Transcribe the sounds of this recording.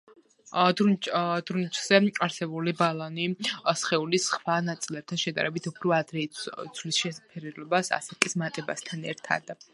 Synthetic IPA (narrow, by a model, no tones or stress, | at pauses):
d̪d̪̥ɾunit͡ʃʼz̥ɛaɾsɛbulibalˠanisχɛulisχvanat̪sʼilɛp̚t̪ʰanʃɛd̪a̰ɾɛbit̪ʰupʰɾɔad̪ɾɛd̪zʰlisʃɛpʰɛɾilɔbasa̰sɛkʼismat̪ʼɛbast̪ʰanɛ̰ɾt̪ʰa̰d̪̥